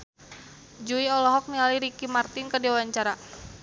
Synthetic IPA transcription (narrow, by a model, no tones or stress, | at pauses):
d͡ʒuiɔlɔɦɔk̚nialiɾikimart̪ɪnkərdiawaɲt͡ʃaɾa